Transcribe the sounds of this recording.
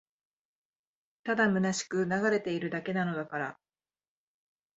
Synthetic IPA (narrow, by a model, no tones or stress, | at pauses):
t̪ad̪amɯ̟naɕi̥kɯ̟naɡaɾe̞t̪e̞iɾɯ̟d̪ake̞nano̞d̪akaɾa